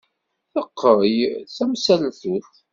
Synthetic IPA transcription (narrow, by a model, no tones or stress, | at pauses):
θəqːəɾəjθæmsælθuθ